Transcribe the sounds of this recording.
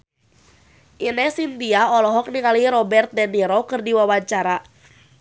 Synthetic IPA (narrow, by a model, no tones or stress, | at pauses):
ʔinɛhsint̪iaɔlɔɦɔk̚niŋaliɾɔbɛrt̪̚dɛniɾɔkɨrdiwawaɲt͡ʃaɾa